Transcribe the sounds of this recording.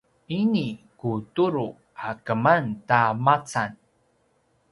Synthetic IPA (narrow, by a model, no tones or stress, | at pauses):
inikutuɾu | akəmantamat͡san